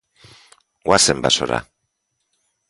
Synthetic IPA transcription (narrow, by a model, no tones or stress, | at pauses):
ɡwasembasoɾa̰